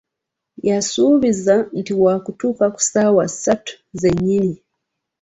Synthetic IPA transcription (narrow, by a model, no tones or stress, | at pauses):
jasuβizan̩tiwakutukaku̥sawasatu̥ | zɛɲini